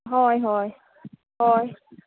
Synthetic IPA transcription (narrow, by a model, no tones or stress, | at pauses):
ɦɔːjɦɔːj | hɔːj